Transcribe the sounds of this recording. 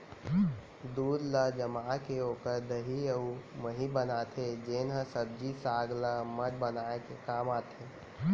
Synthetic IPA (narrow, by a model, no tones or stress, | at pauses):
d̪uːd̪ləd͡ʒəmaːkeoːkəɾd̪əɦiəuməɦibənaːt̪ʰed͡ʒeːnɦəsəb̚d͡ʒisaːɡləməd̪bənaːekekaːmaːt̪ʰeː